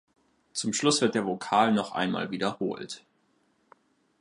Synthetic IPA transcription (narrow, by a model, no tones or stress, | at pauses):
t͡sʊmʃlʊsv̥ɪɐtd̥eːɐvokʰaːlnɔχʔa̰ɪnma̰ːlviːdɐho̰ːlt